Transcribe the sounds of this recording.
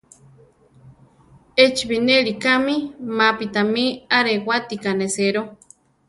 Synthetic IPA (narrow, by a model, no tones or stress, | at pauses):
et͡ʃβineɾikamimapit̪amiaɾewat̪ikaneseɾo